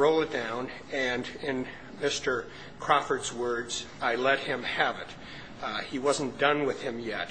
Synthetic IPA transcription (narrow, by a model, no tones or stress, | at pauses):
ɹoʊlˠɨt̚d̥ãʊ̃n | ɨ̃nɪ̃n | mɪstə˞ | kʰɹ̥ɑfə˞dzwɜ˞dz̥aɪlɛt̚hɪ̃mɨvɨt | iwʌzn̩d̥ʌ̃nwɨð̥ɨ̃mjɛt̚